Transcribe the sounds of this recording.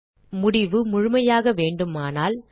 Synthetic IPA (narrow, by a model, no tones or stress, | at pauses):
mʊɽɪʋɯmʊɻʊmɐjaːɣɐʋeːɳɖɯmaːnaːl